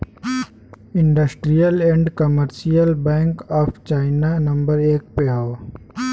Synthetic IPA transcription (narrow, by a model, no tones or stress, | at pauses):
ɪ̃ɳɖəsʈɾijəlẽɳɖkəməɾʃijəlbɛ̃ːŋkɔːpʰt͡ʃaːɪnanɐmbəɾeːk̚peɦoː